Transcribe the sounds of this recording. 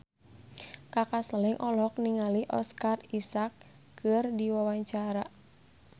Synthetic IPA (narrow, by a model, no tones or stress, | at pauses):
kakasəlɛŋʔɔlɔk̚niŋaliʔɔ̰skarisak | kːɨrdiwawaɲt͡ʃaɾa